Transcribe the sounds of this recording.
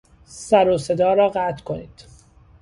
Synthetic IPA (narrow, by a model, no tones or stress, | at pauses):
sæɾose̞d̪ɒːɾɒːɢæːt̪ʰkʰoniːd̪̥